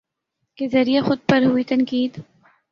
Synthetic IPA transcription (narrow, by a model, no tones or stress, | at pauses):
kezɐɾijaxʊd̪̚pɐɾɦuit̪ɐnkiːd̪